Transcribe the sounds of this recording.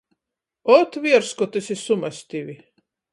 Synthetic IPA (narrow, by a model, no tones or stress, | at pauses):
ɔt̪vʲiɛɾskɔt̪ɨsʲisumasʲt̪ʲiʋʲi